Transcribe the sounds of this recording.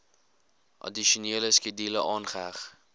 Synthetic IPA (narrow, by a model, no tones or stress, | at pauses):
ʔɐ̰diʃuoniələskidiləʔɑːnχəɦæχ